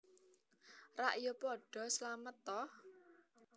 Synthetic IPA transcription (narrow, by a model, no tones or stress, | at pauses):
raʔijopɔɖ̥ɔ̤slamət̪ːɔh